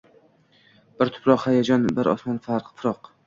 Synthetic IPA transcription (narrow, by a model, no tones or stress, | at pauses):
b̥ɪɾt̪ʰʊ̥pʰɾɒqhajad͡ʒɒnbɪɾʔɒ̰smɒnfaɾqfɪɾɒq